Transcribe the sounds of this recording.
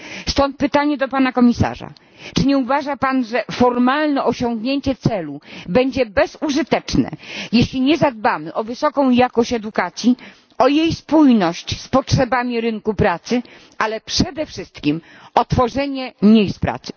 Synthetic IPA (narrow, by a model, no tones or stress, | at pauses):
st̪ɔnt̪̚pɘt̪aɲɛd̪ɔpanakɔmʲisa̰ʐa̰ | t͡ʂɘɲɛuvaʐapanʐɛfɔɾmalnɛʔɔɕɔŋɡɲeɲt͡ɕɛt̪sɛlubɛɲd͡ʑɛbɛzuʐɘt̪ɛt͡ʂnɛ̰jeɕlʲiɲɛzad̪̚bamɘʔɔvɘsɔkɔ̃w̃jakɔɕt͡ɕɛd̪ukat̪sʲji | ɔjejspujnɔɕt͡ɕspɔtʂɛbamʲiɾɘŋkupɾat̪sɘ | alɛpʂɛd̪ɛfʂɘst̪kʲim | ɔt̪fɔʐɛɲɛmɲejst̪pɾa̰t̪sɘ̥